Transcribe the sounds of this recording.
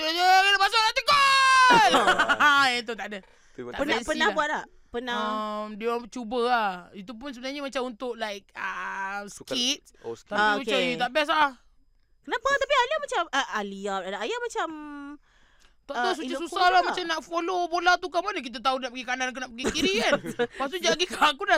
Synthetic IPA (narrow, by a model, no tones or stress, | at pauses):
əəkənəbas̬alat̪iɡalait̪̬ut̪aʔdə | aʔpənbɛspənabuaʔ̚la | pənaəmdiot͡ʃubəait̪upʊns̬əbənaɲamat͡ʃamunt̪ʊʔlajk̚əsə̥kit̪̚ | taisut͡ʃaɲit̪aʔbɛs̬ah | kənapat̪apialiamat͡ʃaməaliapt̪adaajamat͡ʃam | t̪aʔ̪as̬ut͡ʃisusahlamat͡ʃamnaʔfolobolat̪ukamanək̬it̪̬ət̪audaʔpəɡikanank̬unaʔpəɡikiɾiannpas̬t̪ud͡ʒaɡikakuda